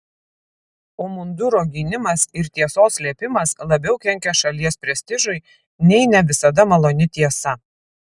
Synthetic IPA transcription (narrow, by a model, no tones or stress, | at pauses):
oːmʊnd̪ʊɾoːɡʲiːnʲɪmɐsɪɾt̪ʲiɛsoːssʲlʲiɛpʲɪmɐslˠɐbʲɛʊkʲɛŋʲkʲɛʃɐlʲiɛspʲɾʲɛsʲt̪ʲɪʒʊɪ | nʲɛɪnʲɛʋʲɪsɐd̪ɐmɐlˠoːnʲɪt̪ʲiɛsɐ